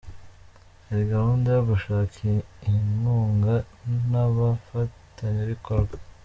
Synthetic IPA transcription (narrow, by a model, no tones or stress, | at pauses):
eɾiɡahuːndajoβuʃaːkiihimuːŋɡa | naβafataɲeβikoɾɡa